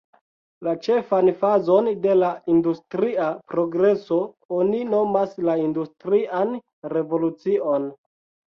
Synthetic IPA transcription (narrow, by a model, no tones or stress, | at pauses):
lat͡ʃe̞fanfazo̞nde̞laindustɾiapɾo̞ɡɾe̞so̞ | onino̞maslaindustɾian | ɾe̞vo̞lut͡siʔon